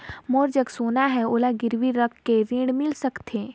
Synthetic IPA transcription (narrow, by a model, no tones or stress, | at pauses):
moːɾd͡ʒəksoːnaɦɛoːlaɡɪɾʋiɾəkʰːeɾĩːɽmɪlsəkt̪ʰeː